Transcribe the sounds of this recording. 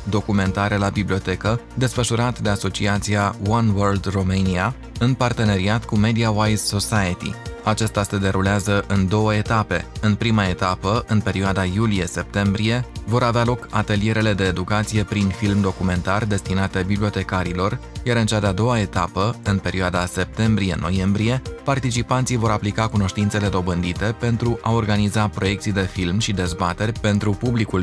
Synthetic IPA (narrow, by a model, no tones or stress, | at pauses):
d̪o̞kume̞nt̪aɾelabiblio̞t̪e̞kəd̪e̞sfəʃuɾat̪d̪e̞aso̞t͡ʃiat̪siawanwərld̪romenia | ɨnpart̪e̞ne̞ɾiat̪kume̞d̪iawajzso̞sajət̪ḭat͡ʃest̪ase̞d̪e̞ɾuleazəʔɨnd̪o̞wəe̞t̪ape̞ɨnpɾimae̞t̪apəɨnpe̞ɾioad̪ajulije̞se̞p̚t̪e̞mbɾije̞vo̞ɾavealo̞kat̪e̞lije̞ɾele̞d̪e̞ːd̪ukat̪sije̞pɾinfilmd̪o̞kume̞nt̪ard̪e̞st̪inat̪e̞biblio̞t̪e̞kaɾilo̞rjaɾɨnt͡ʃad̪ead̪o̞wae̞t̪apəɨnpe̞ɾioad̪ase̞p̚t̪e̞mbɾije̞̰no̞je̞mbɾije̞part̪it͡ʃipant̪sivo̞ɾaplikakuno̞ʃt̪int̪se̞le̞d̪o̞bɨnd̪it̪e̞pe̞nt̪ɾuʔao̞rɡanizapɾo̞je̞kt̪sijd̪e̞filmʃid̪e̞zbat̪e̞rʲpe̞nt̪ɾupublikul